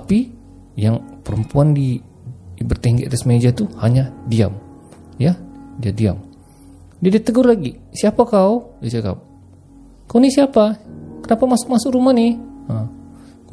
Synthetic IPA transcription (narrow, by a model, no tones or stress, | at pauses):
tapi | jaŋpəɾəmpuandi | bərt̪ɛŋɡɛʔt̪ɛsmed͡ʒat̪uhaɲadia̰m | jadiadia̰m | d͡ʒidit̪əɡʊrlaɡisiapakaudit͡ʃaka̰p̚ | kaunisiapakənapamasʊk̚masʊkɾumanɪə